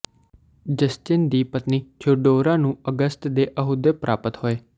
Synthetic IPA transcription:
d͡ʒəst͡ʃɪnd̪iːpət̪niːt͡ʃʰʊɖoːɾãːnũːəɡəst̪d̪eːʔəɦud̪eːpɾʔaːpət̪hoːeː

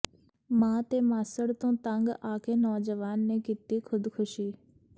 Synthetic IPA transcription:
mãːt̪eːmaːsəɽt̪õːt̪əŋɡaːkeːnɔːd͡ʒəʋaːnːeːkiːt̪iːkʰʊd̪kʰʊʃiː

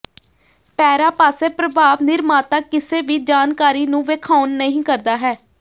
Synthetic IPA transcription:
pɛːɾaːpaːseːpɾəbʱaːʋnɪɾmaːt̪aːkɪseːʋiːd͡ʒaːnkaːɾiːnũːʋeːkʰaːʊnːəɦĩːkəɾd̪aːɦɛː

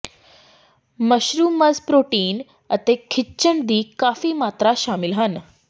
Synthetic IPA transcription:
məɕɾuːməd͡zpɾoʈiːn | ət̪ekʰit͡ɕəɳd̪iːkafiːmat̪ɾaɕamilɦən

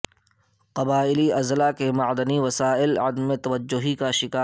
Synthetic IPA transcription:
qɐbaːɪliɐzlakemɐʕd̪əniʋɐsaːɪlɐd̪mẽt̪ɐʋəd͡ʒːʊɦikaʃɪkaː

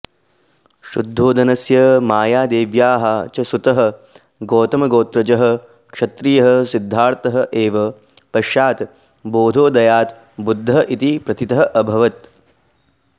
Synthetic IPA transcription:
ʃṵd̪ʱːoːd̪ɐnɐsjɐmaːjaːd̪eːʋjaːɦɐt͡ʃɐsut̪ɐɦɐ̆ | ɡoːt̪ɐmɐɡoːt̪ɾɐd͡ʒɐɦɐ̆ | kʂɐt̪ɾijɐɦɐsid̪ʱːaːɾt̪ɐɦɐ̆ʔeːʋɐ | pɐʃjaːt̪ | boːd̪ʱoːd̪ɐjaːt̪ | bud̪ʱːɐʔit̪ipɾɐt̪it̪ɐɦɐʔɐbʱɐʋɐt̪

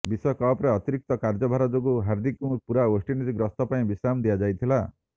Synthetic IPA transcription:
bisɔkɔpɾeɔt̪iɾik̚t̪ɔkaɾd͡ʒɔbʱaɾɔd͡ʒoɡuɦaɾd̪ikũpuɾaosʈinid͡ʒiɡɾɔst̪ɔpaĩbisamd̪ijad͡ʒajt̪ʰila

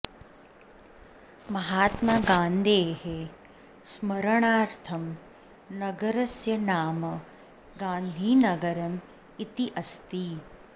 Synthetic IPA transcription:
mɐɦaːt̪maːɡãːnd̪ʱeːhe | smɐɾɐɳaːɾt̪ʰɐm | nɐɡɐɾɐsjɐnaːmɐ | ɡãːnd̪ʱiːnɐɡɐɾɐm | it̪iʔɐst̪i

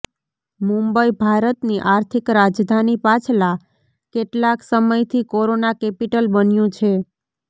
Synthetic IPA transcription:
mũmbəibʱaɾət̪niʔaɾt̪ʰikɾad͡ʒd̪ʱanipat͡ʃʰla | keʈlaksəməjt̪ʰikoɾonakɛpiʈəlbənjũt͡ʃʰe

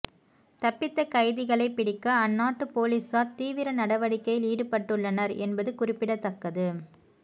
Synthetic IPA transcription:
t̪ɐpːɪt̪ːɐkɐɪðɪɣɐɭɐɪpːɪɽɪkːɐːnːaːʈːɯpoːliːsaːɾt̪iːʋɪɾɐnɐɽɐʋɐɽɪkːɐjɪliːɽɯpɐʈːɯɭːɐnɐɾɛ̰nbɐðɯkʊrɪpːɪɽɐt̪ːɐkːɐðɯ

